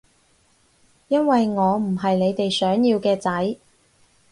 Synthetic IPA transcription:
jɐ˥nwɐ˨jŋɔː˨˧m̩˨˩ɦɐ˨jle˨˧jt̪e˨jsœː˨˥ŋjiː˧wkɛː˧t͡sɐ˨˥j

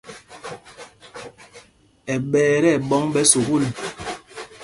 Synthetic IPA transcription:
ɛ˨ɓɛː˨˦ɾɛ˦˨ɓɔ˦ŋɓɛ˦so˨ku˦li˨

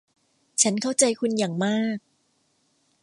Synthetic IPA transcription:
t͡ɕʰa˦˥nkʰa˥˩wt͡ɕa˧jkʰu˧njaː˨˩ŋmaː˥˩k̚

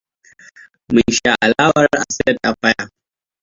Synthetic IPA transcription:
mɨ˨nʃa˨ʔa˨laː˦wɐ˦ɾʔa˨sɪ˦ɐ˦tʔa˨ɸa˦ja˨

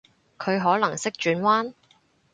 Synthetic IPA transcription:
kʰɵ˨˧ɥɦɔː˨˥lɐ˨˩ŋsɪ˥k̚t͡ʃyː˨˧nwaː˥n

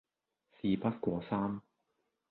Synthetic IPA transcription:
siː˨pɐ˥t̚kʷɔː˧saː˥m

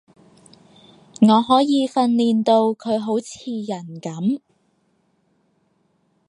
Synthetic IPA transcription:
ŋɔː˨˧ɦɔː˨˥jiː˨˧fɐ˧nliː˨nt̪o˧wkʰɵ˨˧ɥɦo˨˥wt͡sʰiː˧jɐ˨˩nkɐ˨˥m

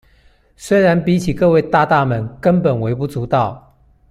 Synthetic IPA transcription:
swe˥ɪɻa˧˦˥npi˨˥t͡ɕʰi˨˩kɤ˥˧we˥˧ɪt̪a˥˧t̪a˥˨mə˧˦nkə˥npə˨˩nwe˧˥ɪpu˥˧t͡su˨˥t̪ɑ˥˩ʊ

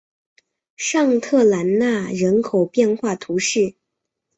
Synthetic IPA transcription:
ʂɑ˥˧ŋt̪ʰɤ˥˩la˧˥nna˥˩ɻə˧˥nkʰo˨˩ʊpjɛ˥˧nxwa˥˩t̪ʰu˧˥ʂɻ̩˥˩

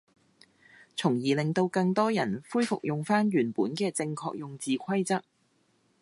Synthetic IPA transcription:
t͡sʰʊ˨˩ŋjiː˨˩lɪ˨ŋt̪o˧wkɐ˧ŋt̪ɔː˥jɐ˨˩nfuː˥jfʊ˨k̚jʊ˨˩ŋfaː˥nɥyː˨˩npuː˨˥nkɛː˧t͡sɪ˧ŋkʰɔ̰ː˧k̚jʊ˨ŋt͡siː˨kʷʰɐ˥jt͡sɐ˥k̚

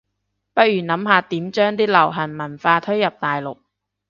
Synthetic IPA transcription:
pɐ˥t̚jyː˨˩nɐ˨˥mɦaː˨˧t̪iː˨˥mt͡ʃœː˥ŋt̪iː˥lɐ˨˩wɦɐ˨˩nmɐ˨˩nfaː˧t̪ʰɵ˥ɥjɐ˨p̚t̪aː˨jlʊ˨k̚

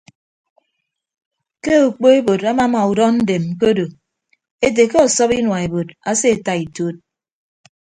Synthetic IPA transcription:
ke˦o˨k͡po˦e˦bo˨da˦ma˨˦ma˨u˨dɔ˦n̩˦de˨m˨k̬o˦do˨ | e˦de˨ke˦ɔ˨sɔ˦pi˦nwa˨e˨bo˨da˦se˦e˨ta˨i˨to˦t̚

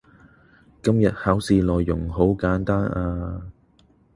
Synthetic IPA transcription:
kɐ˥mjɐ˨t̚haː˨˥wsiː˨˧lɔː˨jːʊ˨˩ŋɦo˨˥wkaː˨˥nt̪aː˥nʔaː˧

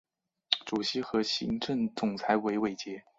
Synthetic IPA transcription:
ʈ͡ʂu˨˩ɕi˧˥xɤ˧˥ɕḭ˧˥ŋʈ͡ʂɤ˥˩ŋt͡sʊ˨˩ŋt͡sʰa˧˥ɪwe˧˥ɪwe˨˩ɪt͡ɕjɛ˧˥

